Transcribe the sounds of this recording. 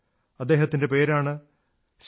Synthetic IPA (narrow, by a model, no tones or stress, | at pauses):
ɐd̪ːe̞ːɦɐt̪ːinde̞pe̞ːɾaːɳɨ | ɕ